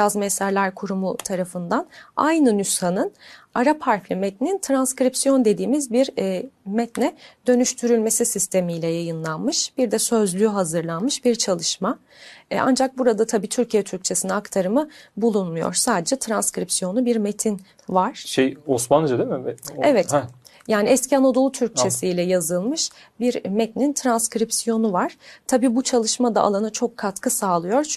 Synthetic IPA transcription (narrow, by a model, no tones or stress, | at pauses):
azmɛsæɾlʲæɾkʰuɾumut̪ʰaɾafɯnd̪anajnɯnyshanɯn | aɾapʰaɾflʲimet̪ʰinint̪ʰɾanskɾipsijo̞nd̪e̞d̪iːmizbiɾmɛt̪nɛd̪̥ø̞nyʃt̪ʰyɾylʲme̞sisist̪ʰe̞mijlʲɛjajɯnlˠanmɯʃb̥iɾd̪ɛsø̞zlʲyɦazɯɾlˠanmɯʃbiɾt͡ʃʰalˠɯʃma̰ | a̰nd͡ʒak̚buɾad̪at̪ʰabiːt̪ʰyɾcʰijɛt̪ʰyɾc̚t͡ʃʰe̞sinɛakt̪ʰaɾɯmɯbulˠunmujo̰ɾsaːd̪e̞d͡ʒɛt̪ʰɾanskɾipsijo̞nubiɾme̞t̪ʰin | vaɾ̥ʃejosmand͡ʒad̪emɪvɛevɛt̪ | jaːniɛscianod̪o̞lˠut̪ʰyɾc̚t͡ʃʰe̞sijlʲɛjazɯlˠmɯʃ | biɾmɛt̪nint̪ʰɾanskɾipsijo̞nuvaɾ̥t̪ʰabiːbut͡ʃʰalˠɯʃmad̪a̰ʔa̰lˠanat͡ʃʰo̞kʰːat̪kʰɯsaːlˠɯjoɾ